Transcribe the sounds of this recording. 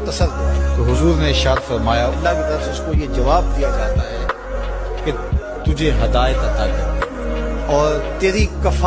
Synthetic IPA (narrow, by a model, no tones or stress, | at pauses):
t̪ːɐsəɾt̪oɦʊzuːɾneɪɾʃaːt̪fɐɾmaːjaɐlːakit̪ɐɾəsʊskojed͡ʒɐʋaːb̚d̪ijad͡ʒaːt̪aɦɛː | ke | t̪ʊd͡ʒʱeɦɐd̪aːɪt̪ɐt̪akɐ | ɔːɾt̪eːɾikɐfa